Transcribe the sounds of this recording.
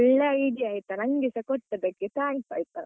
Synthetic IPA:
ɭːɐid͡ʒiaːjt̪ɐnɐŋɡisɐkɔʈːɐd̪ɐkːet̪aːɳt̪a̰ːjt̪a

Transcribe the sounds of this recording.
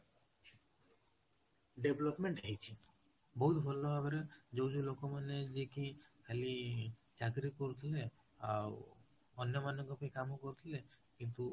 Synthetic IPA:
ɖeblɔpmeɳʈɦejt͡ʃʰi | bɔɦut̪ʰbʱɔlɔbabeɾed͡ʒowd͡ʒulokɔmaned͡ʒekikʰeli | d͡ʒaɡɾikɔɾut̪ʰile | aw | ɔnjɔmanɔŋɡɔpaĩkamukɔɾut̪ʰilekint̪u

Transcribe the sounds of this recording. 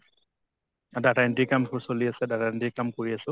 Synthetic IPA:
adatandikamkʰusoliasɛdatandikamkoɹiasʊ

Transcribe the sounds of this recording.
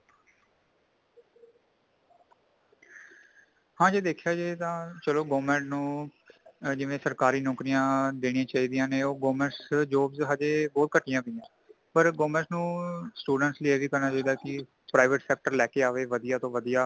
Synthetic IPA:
hãːd͡ʒeːd̪eːkʰjaːd͡ʒeːt̪ãːt͡ʃəloːɡoːmɛ̃ːɳʈnũː | d͡ʒɪʋẽːsəɾkaːɾiːnɔːkɾijãːd̪eːɽ̃ijãːt͡ʃaːiːd̪ijãːneːoːɡoːmɛ̃ɳʈsd͡ʒoːbzɦad͡ʒeːbɔːt̪̚kəʈːɪjãːbɪjãː | pəɾɡoːmɛ̃ːɳʈnũːsʈuːɖəɳʈsliːeːʋiːkəɾnaːt͡ʃaːiːd̪aːkɪ | pɾaːɪʋəʈsɛːk̚ʈəɾlɛːkeːaːʋeːʋəd̪ijaːt̪õːʋəd̪ijaː

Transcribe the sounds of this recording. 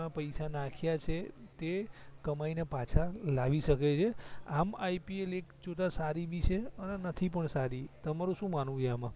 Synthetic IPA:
ãpəjsanakʰjat͡ʃʰet̪ekəmajnepat͡ʃʰalaʋiʃəket͡ʃʰeamaipielekd͡ʒot̪asaɾibit͡ʃʰeənenət̪ʰip̬əɳsaɾit̪əmaɾũʃũmanũd͡ʒeamã

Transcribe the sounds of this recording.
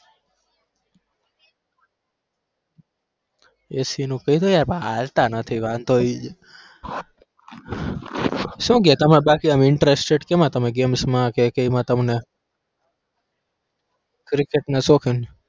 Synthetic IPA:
esinũkəit̪ojaɾbaalt̪anət̪ʰiʋãnt̪oid͡ʒe | ʃũket̪əmnebakiamɪɳʈɾesʈeɖkemãt̪əmeɡemsmãkekəimãt̪əmne | kɾikeʈnesokʰin

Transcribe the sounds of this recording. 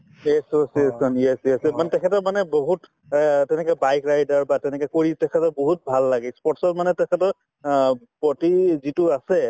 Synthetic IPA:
ɛsosiesɔnjɛsiɛsɛmanɛtɛkʰɛtɔmanɛboɦut | tɛnɛkɛbajkɹajdaɹbatɛnɛkɛkoɹitɛkʰɛtɔboɦut̚bʱalːaɡɛspɔɹtsɔtmanɛtɛkʰɛtɔɹ | pɔtizitʊasɛ

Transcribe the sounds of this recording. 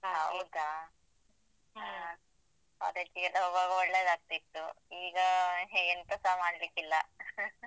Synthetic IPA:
ɦɐwd̪a | ɦa | a̰d̪et͡ʃːiɡɛlːɐɔbaɡɐɔɭːeːd̪aːɡ̚t̪it̪ːuiːɡɐɦeːɡent̪ɐsaːmaːɽlikilːɐ

